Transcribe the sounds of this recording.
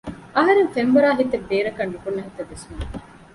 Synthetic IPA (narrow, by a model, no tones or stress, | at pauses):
ɐɦɐɾenfembɐɾaːɦit̪ːebːeːɾɐkɐnːukunːɐɦit̪eʋːesmu